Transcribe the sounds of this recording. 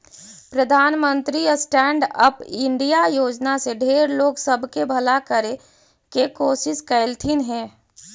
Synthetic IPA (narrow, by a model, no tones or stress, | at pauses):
pɾəd̪ʱaːnmə̃nt̪ɾiəsʈɛːɳɖəpɪ̃ɳɖijajoːd͡ʒnaseɖʱeːɾloːɡsəbʱkebʱəlakəɾe | kekoːsɪskəɪlt̪ʰinɦɛ̃ː